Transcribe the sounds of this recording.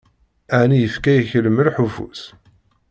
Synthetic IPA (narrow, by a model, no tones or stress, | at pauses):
æʕnijəfkæjəçələməlħufṵs